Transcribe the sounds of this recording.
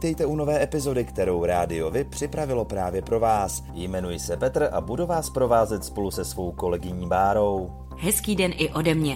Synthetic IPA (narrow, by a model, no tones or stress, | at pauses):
it̪ɛjt̪ɛuno̞vɛːɛpɪzo̞dɪkt̪ɛɾo̞wɾaːdɪo̞vɪpr̝̥ɪpɾavɪlo̞pɾaːvjɛpɾo̞vaːs | jmɛnujɪsɛpɛt̪ɾ̩ʔa̰buduvaːspɾo̞vaːzɛt̪spo̞lusɛsvo̞wko̞lɛɡɪɲiːbaːɾo̞w | ɦɛskiːdɛnʔɪʔo̞dɛmɲɛ